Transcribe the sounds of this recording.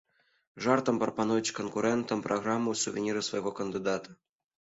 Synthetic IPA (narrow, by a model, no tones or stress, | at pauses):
ʐɑrt̪ɤ̆mpropɑnuvʲit͡ɕkonkuɾʲɛnt̪ə̆mprʔoɣrɑmːusuvʲenʲiɾɨsvɐjɣokənd̪ʲid̪ɑt̪ə̥